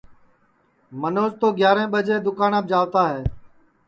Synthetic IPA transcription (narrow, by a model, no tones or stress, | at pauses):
mənoːzt̪oːɡjaːɾẽːɓəd͡ʒeːd̪ʊkaːnaːb̚d͡ʒaːʋt̪aːɦɛː